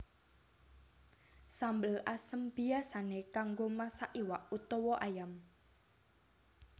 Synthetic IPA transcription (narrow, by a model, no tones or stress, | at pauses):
sambəlasəmb̥i̤asanekaŋɡomasaʔiwaʔut̪ɔwɔʔajam